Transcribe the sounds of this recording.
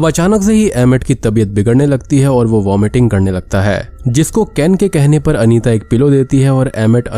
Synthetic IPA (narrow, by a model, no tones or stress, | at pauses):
ɐbɐt͡ʃaːnəks̬eɦiɛːmɪʈkit̪ɐbijət̪̚bɪɡəɾnelɐɡt̪iɦɛɔːɾʋoʋaːmɪʈɪ̃ŋɡkɐɾnelɐɡ̚t̪aɦɛ̰ːd͡ʒɪskokɛːnkekɛɦnepɐɾɐniːt̪aeːk̚pɪlod̪eːt̪iɦɛɔːɾɛːmɪʈɐ